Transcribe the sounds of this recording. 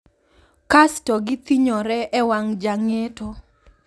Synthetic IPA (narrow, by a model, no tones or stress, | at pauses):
kastɔɡɪt̪iɲɔɾɛʔɛwaŋd͡ʒaŋetɔ